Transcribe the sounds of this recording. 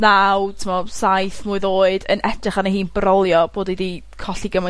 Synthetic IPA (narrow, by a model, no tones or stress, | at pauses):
nawtʰɪmɔsajθmuɨðoːɨdə̰nʔɛtʰrɪχanaɦiːnbrɔlˠjɔb̥oːdidi | kʰɔɬiɡəmɔ